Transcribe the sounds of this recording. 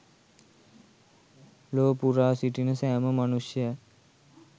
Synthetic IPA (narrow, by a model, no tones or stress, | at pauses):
loːpuɾaːsiʈinəsæːməmanusjəjə